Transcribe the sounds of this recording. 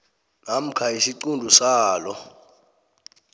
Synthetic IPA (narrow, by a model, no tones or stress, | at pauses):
nam̩kʰaisiǀundʱusaːlɔ